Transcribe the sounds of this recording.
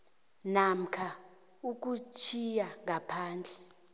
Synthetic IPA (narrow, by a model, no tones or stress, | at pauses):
nam̩kʰa | uk̬ʼut͡ʃʰijaŋʱapʰaːnd͡ɮʱɛ